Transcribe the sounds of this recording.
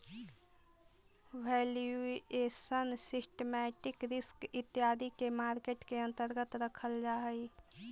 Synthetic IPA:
ʋʱɛljuesənsisʈemɛʈikɾɪskɪt̪ːjad̪ʱikemaːɾkeʈkeə̃nt̪əɾɡət̪ɾəkʰəld͡ʒaɦəj

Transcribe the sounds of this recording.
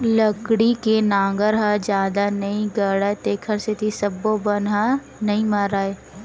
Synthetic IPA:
ləkɽikenãːŋɡəɾɦad͡ʒjaːd̪anɐɦĩɡəɽaːet̪eːkʰəɾset̪ʰisɐbːobənɦa | nɐɦĩmaːɾaːeː

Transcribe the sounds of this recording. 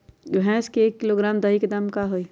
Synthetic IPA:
ɛ̃skeeːkːɪloɡɾaːmd̪ɐɦiked̪ɐmkaɦoːi

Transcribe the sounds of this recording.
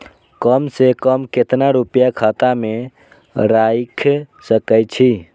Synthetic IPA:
kəmsekəmket̪naɾupjakʰat̪ame | ɾajkʰsəkəjt͡ʃʰi

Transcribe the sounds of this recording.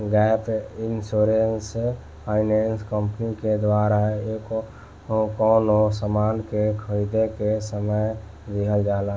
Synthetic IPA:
ɡɛpʰinsoɾense | pʰaɪnɛnskəmpniked̪ʋaɾaɦeko | kɔnosəmankekʰəɾid̪ekesəməj | d̪iɦəld͡ʒala

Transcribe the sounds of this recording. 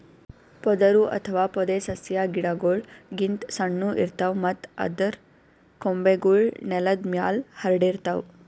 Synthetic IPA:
pɔd̪ɐɾuʔɐ̰t̪ʰɐʋaːpɔd̪esɐsjaːɡiɽaɡoːɭɡint̪sɐɳːuʔḭɾt̪awmɐt̪ɐ̰d̪ɐɾ | kombeɡuɭnɛlɐd̪mjaːlhɐɾɖiɾt̪aw

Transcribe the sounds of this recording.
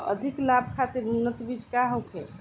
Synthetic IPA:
ə̰d̪ʱiklab̚ʱkʰat̪iɾnunːət̪bid͡ʒkaɦowkʰḛ

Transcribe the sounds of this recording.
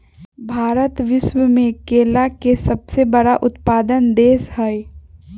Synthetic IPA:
bʱaːɾət̪ʋɪʃwəmẽkeːlakesɐbsebɐɽaʔʊt̪paːd̪ənd̪eːshɛj

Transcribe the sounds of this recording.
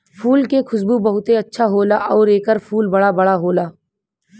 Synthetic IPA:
pʰuːlkekʰʊsbubɐɦʊt̪eɐtːʃʰaɦoːlaʔɔːɾeːkəɾfʰuːlbɐɽabɐɽaɦoːlaː

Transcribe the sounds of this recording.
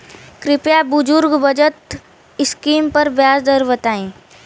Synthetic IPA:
kɾɪpjabʊd͡ʒʊɾɡbəd͡ʒət̪ | ɪskiːmpɐɾbjaːsd̪əɾʋət̪aːĩː

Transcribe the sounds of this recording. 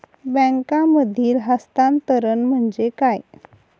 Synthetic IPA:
bə̃ŋkãməd̪ʱiːlɦast̪ant̪əɾənm̤əɳd͡zekaj

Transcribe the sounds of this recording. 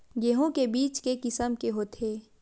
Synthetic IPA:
ɡeɦõkebiːt͡ʃkekɪsəmkeɦoːt̪ʰeː

